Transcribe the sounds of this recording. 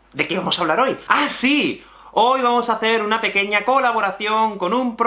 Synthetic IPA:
d̪ekeβamosaβlaɾojasi | ojβ̞amosaθeɾunape̞keɲakolaβ̞oɾaθjoŋkonũmpɾ

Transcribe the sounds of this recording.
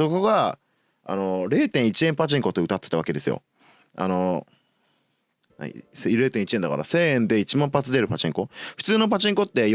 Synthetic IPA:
so̞ko̞ɡa | a̰no̞ɾe̞ːt̪ẽɰ̃it͡ɕiẽ̞mpat͡ɕĩŋko̞t̪oɯ̟t̪at̪ːet̪aβake̞d̪e̞sɨjo̰ | a̰no̞ | nã̰ɲḭsɾe̞ːt̪ẽit͡ɕiẽ̞nd̪aka̰ɾa̰se̞ːẽ̞nd̪e̞it͡ɕimãmpat͡sɨd̪eɾɯ̟pat͡ɕĩŋko̞ɸɯ̟̥t͡sɨːno̞pat͡ɕĩŋko̞t̪ːe̞j

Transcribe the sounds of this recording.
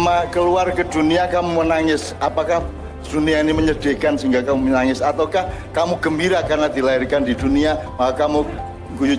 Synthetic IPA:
makəluarkəd̪̥uniakamumənaŋɪsʔapakah | d̪̥uniainiməɲəd̥e̤kansiŋɡakamumənaŋɪsat̪awkah | kamuɡəmbiɾakarnad̪̥ilairkandid̪uniamaakamu | ɡuju

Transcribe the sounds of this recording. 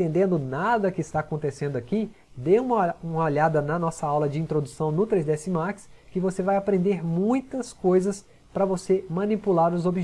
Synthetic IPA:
ẽnd̪ẽnd̪ʊnad̪ɐkɪːst̪aːkõnt̪esẽnd̪ʊaki | d̪ejũmɐũmɐoʎad̪ɐnɐnɔsɐawlɐd͡ʒɪĩnt̪ɾod̪usɐ̃w̃nʊt̪ɾezd̪eɛsɪmaɾkɪ̥skɪvosevajapɾẽnd̪eɾmũj̃t̪ɐskojzɐs | pɾɐvosemɐ̃nipulaɾʊzobiʒ

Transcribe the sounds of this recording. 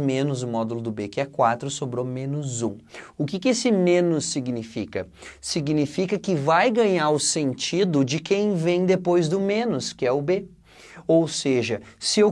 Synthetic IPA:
mẽnʊzʊmɔd̪ulʊd̪ʊbekɪɛkwat̪ɾʊsobɾomẽnʊzũʊkɪkɪesɪmẽnʊsːiɡnifikɐ | siɡnifikɐkɪvajɡɐ̃ɲaɾʊsẽnt͡ʃid̪ʊd͡ʒɪkẽj̃vẽj̃d̪epojzd̪ʊmẽnʊskɪɛʊbe | owseʒɐsɪew

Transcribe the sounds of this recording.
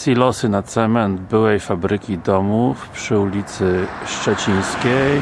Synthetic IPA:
sʲilɔsɘnat̪sɛmɛnd̪bɘwɛjfabɾɘkʲid̪ɔmufpʂɘulʲit̪sɘʂt͡ʂɛt͡ɕij̃skʲej

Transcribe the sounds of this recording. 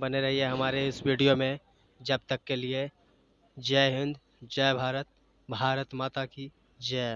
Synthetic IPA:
bɐneɾɐɦiɦeɦɐmaːɾeɪswiːɖijomẽ | d͡ʒɐb̚t̪əkːelie | d͡ʒɛːɦɪ̃nd̪ | d͡ʒɛːbʱaːɾət̪̚ | bʱaːɾət̪maːt̪aki | d͡ʒɛː

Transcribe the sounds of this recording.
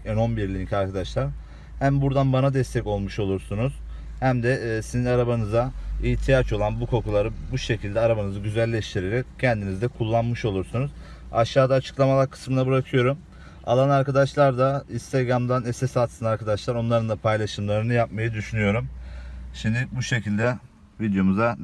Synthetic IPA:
ɛno̞nbiɾlʲicʰaɾkʰad̪aʃlˠaɾ | hæmbuɾd̪anbanad̪ɛst̪ʰɛco̞lˠmuʃo̞lˠuɾsunuz̥ | hæmd̪ɛsizinaɾabanɯzaiːt̪ʰijat͡ʃo̞lˠanbukʰo̞kulˠaɾɯbuʃe̞cʰilʲd̪ɛaɾabanɯzɯɟyzælʲːɛʃt̪ʰiɾe̞ɾɛccʰːɛnd̪inizd̪ɛkʰulˠːanmɯʃo̞lˠuɾsunuz | a̰ʃːaːd̪aːt͡ʃʰɯ̥klˠamalˠaɾkʰɯ̥smɯnabɯɾakʰɯjo̞ɾum | a̰lˠanaɾkad̪aʃlˠaɾd̪aist̪ʰaɡɾamd̪anɛsɛsat̪sɯnaɾkʰad̪aʃlˠaɾo̞nlˠaɾɯnd̪apʰajlˠaʃɯmlˠaɾɯnɯjap̚majɯd̪yʃynyjo̞ɾumʃimd̪ɪbuʃe̞cʰilʲd̪ɛ | vid̪jo̞muza

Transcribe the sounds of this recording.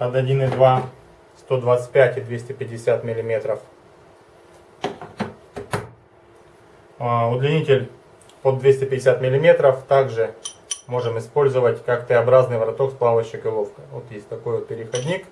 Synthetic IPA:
ɐt̪ɐdʲinɨd̪va | st̪o̞d̪vat̪sɨ̥tʲpʲætʲɪd̪vʲesʲtʲɪpʲɪdʲːɪsʲat̪mʲɪlʲɪmʲe̞t̪ɾəf | ʊd̪lʲɪnʲitʲɪlʲ | pod̪vʲesʲtʲɪpʲɪdʲːɪsʲat̪mʲɪlʲɪmʲe̞t̪ɾəft̪aɡʐɨmo̞ʐɨmɪspo̞lʲzəvətʲkakt̪əɐbɾaznɨjvɐɾɐt̪o̞ksplˠavəɕːɪkɨlˠofkəjvot̪jesʲtʲt̪ɐko̞jvot̪̚pʲɪɾʲɪxɐdʲnʲik

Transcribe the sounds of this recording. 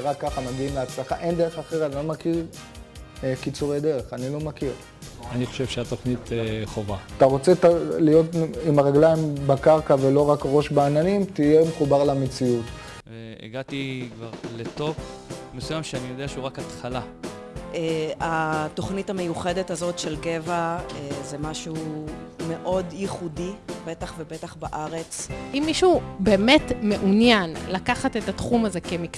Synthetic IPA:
ʁakːaχamaɡiimleat͡slaχa̰ʔe̞nd̪eʁeχaχeʁanilo̞makiʁ | kit͡suʁejd̪e̞ʁeχanilo̞makiʁ | aniχo̞ʃe̞vʃeat̪o̞χnit̪eχovaat̪aʁo̞t͡se̞talijo̞timaʁeɡlajimbekaʁkavelo̞ʁakʁo̞ʃbaːnanimtijemeχubaʁlamet͡siut | ve | ḛɡat̪ikvaʁlet̪o̞pmesujamʃeanijo̞d̪eaʃeuʁakat̪χala | eato̞χnitame̞juχe̞detazo̞tʃelɡe̞vaezemaʃume̞ʔo̞djiχudibe̞taχvebe̞taχbaʔaʁet͡sʔimːiʃube̞ːmetme̞ʔunjanlakaχatetatχumaze̞kemik

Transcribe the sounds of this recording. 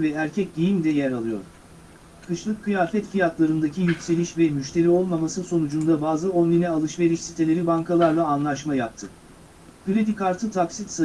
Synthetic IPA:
vɛæɾcʰɛc̚d̪ijimd̪ɛjæɾalˠɯjo̞̰ɾ | kʰɯʃlˠɯkʰːɯjaːfɛt̪fijak̪lˠaɾɯnd̪acʰijycʲse̞lʲiʃvɛmyʃt̪ʰe̞ɾio̞lˠmamasɯso̞nud͡ʒund̪abaːzɯonlʲinɛalˠɯʃve̞ɾiʃsit̪ʰe̞lʲe̞ɾibaŋkʰalˠaɾlˠaːnlˠaʃmajap̚t̪ʰɯ | kɯɾed̪ikaɾt̪ʰɯt̪ʰaksit̪sa

